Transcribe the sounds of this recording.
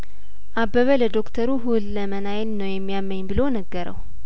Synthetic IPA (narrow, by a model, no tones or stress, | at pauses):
ʔabːəβələd̪o̞kt̪ʰəɾuɦulːəmənajlnəwjɛmːijamːəɲːbɨlonəɡːəɾə̰w